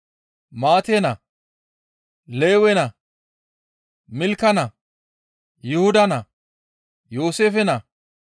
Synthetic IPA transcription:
maːt̪eːnɐ | leːwɛnɐ | mɪlkːɐnɐ | jʊhʊd̪ɐnɐ | jo̞ːseːfɛnɐ

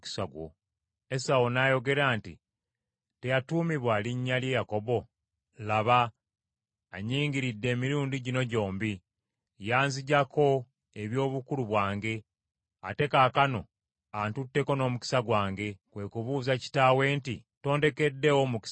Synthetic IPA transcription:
ki̥saɡo̰ | esawonajo̞ɡe̞ɾaːntḭ | te̞jatuːmiβwaliɲːalje̞jako̞βo̞ | laβa | ɲiːŋɡiɾidːe̞ːmiɾuːndiɟino̞ɟo̞ːmbi | jaːnziɟakʰo̞ | eβjo̞ːβukuluβwaːŋɡe̞ | a̰te̞kaːkano̞ | antutːe̞ko̞no̞ːmuki̥saɡwaːŋɡe̞kwe̞ːkuβuːzaci̥taːwe̞ːntḭto̞ːnde̞ke̞dːe̞womuki̥

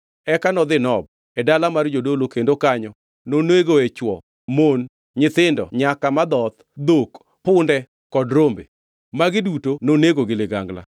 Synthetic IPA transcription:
ɛkanɔd̪ɪnɔb̚ | ɛdalamard͡ʒodolokendokaɲɔ | noneɡoet͡ʃwɔ | mon | ɲɪt̪ɪndɔ̰ɲakamad̪ɔt̪ | d̪ok | pʊndɛ | kɔdɾombḛ | maɡɪdutononeɡoɡɪlɪɡa̰ŋɡla̰

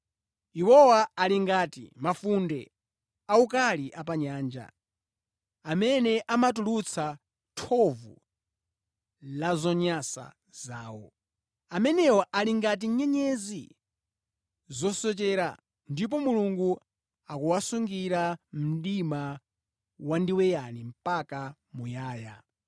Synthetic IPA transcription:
iwɔwaaliŋɡaːtḭmafundɛ | aukaliʔapaɲaːnd͡ʒa̰ | amɛnɛʔamatulut͡sʰa | tʰɔvṵ | lazɔɲasa̰ | zaːwɔ̰ | amɛnɛwɔʔaliŋɡat̬iɲɛɲɛzi | zɔsɔt͡ʃɛɾa | ndip̬ɔmuluŋɡu | akuwasuŋɡiɾam̩ɗima | wandiwɛjanim̩paka | mujaːja

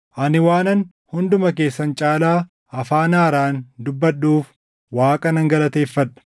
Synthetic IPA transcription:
ʔɐnɪwaːnɐn | hʊnd̪ʊmɐke̞ːsːɐnt͡ʃʼaːlaː | ɐfaːnaːɾaːnd̪ʊbːɐɗːuːf | waːkʼɐnɐŋɡɐlɐt̪e̞ːfːɐᶑɐ̥

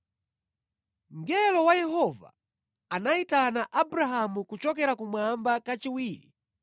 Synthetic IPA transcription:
ŋɡɛlɔwajɛɦɔva̰ | anaitanaʔabɾaɦamukut͡ʃɔkɛɾakumwambakat͡ʃiwiːɾḭ

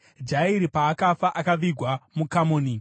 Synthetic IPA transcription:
d͡ʒaiɾipaːkafaʔakaʋiɡʱwamukamoːni

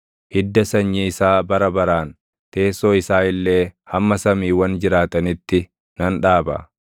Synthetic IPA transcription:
hɪd̪ːɐsɐɲːiɪsaːbɐɾɐbɐɾaːn | t̪e̞ːsoːɪsaːɪlːe̞ːhɐmːɐsɐmiːwɐnd͡ʒɪɾaːt̪ɐnɪt̪ːɪ | nɐnᶑaːbɐ̰

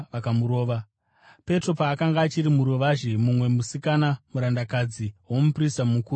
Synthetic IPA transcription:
ʋakamuɾo̞ːʋa | pe̞tro̞paːkaŋɡaːt͡ʃiɾimuɾo̞ʋaʒimumwe̞musikanamuɾandakad͡ziwo̞mupristamukuː

